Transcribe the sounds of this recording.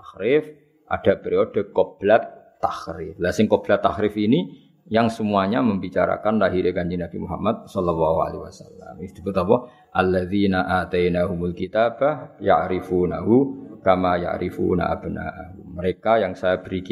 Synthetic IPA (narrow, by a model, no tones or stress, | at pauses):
t̪axɾɪf | ʔa̰d̥apəɾiod̥əkob̥lat̪ː | axɾɪflasɪŋkob̥lat̪ːaxɾɪfini | jaŋsəmuaɲaməmbit͡ʃaɾa̰kanlaɦiɾʔeɡaɲd͡ʒinab̥imuɦa̰mːad̪̚sɔlalːahua̰lḛwa̰salːa̰mit̪ubət̪ɔpɔ | ʔalːaðinaʔat̪ajnaɦumulkit̪abaja̰ʕɾifuːna̰ɦukamaja̰ʕɾʔifṵna̰ʔa̰b̥əna̰ʔahuməɾekajaŋsajab̥əɾik